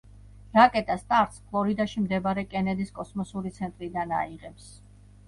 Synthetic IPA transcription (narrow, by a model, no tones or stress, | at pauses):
ɾakʼɛt̪ʼast̪ʼaɾt̪spʰlˠɔɾid̪aʃimd̪ɛbaɾɛkʼɛnɛd̪iskʼɔsmɔsuɾit̪sʰɛnt̪ʼɾid̪ana̰iʁɛps